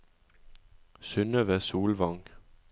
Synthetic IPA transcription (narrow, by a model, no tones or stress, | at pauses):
sønəʋæɐsuːlʋɑŋ